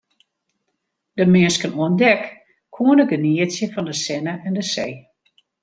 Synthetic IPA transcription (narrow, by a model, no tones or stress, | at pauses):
d̥əmɪəskənuəndɛk | kʰuənəɡəniəsjəfɔndəsɛnəʔɛndəsej